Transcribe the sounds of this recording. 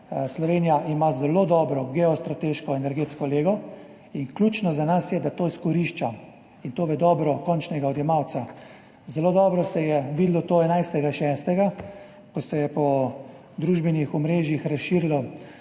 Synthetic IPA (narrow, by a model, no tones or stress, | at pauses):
slɔʋeːnijaʔimazɛlod̪ɔːbɾɔɡɛɔst̪ɾat̪eʃkɔɛnɛɾɡeːt̪skɔleːɡɔ | inklʲut͡ʃnɔzanasjɛd̪at̪oːiskɔɾiʃt͡ʃa | int̪oːʋɛd̪ɔːbɾɔkɔnt͡ʃnɛɡaɔd̪jɛmaw̪sa | zɛloːd̪ɔːbɾɔsɛjɛʋiːd̪lɔt̪oːɛnajst̪ɛɡaʃɛst̪ɛɡa | kɔsɛjɛpɔ | d̪ɾuʒbɛnjixɔmɾeːʒjixɾasʃiːɾilɔ